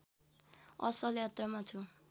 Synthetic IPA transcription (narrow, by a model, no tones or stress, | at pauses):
ʌ̰sʌljat̪rʌmat͡sʰu